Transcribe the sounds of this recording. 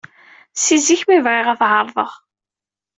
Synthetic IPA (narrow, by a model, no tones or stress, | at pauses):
siziçmivʁɪʁæθɦəɾˤðˤəʁ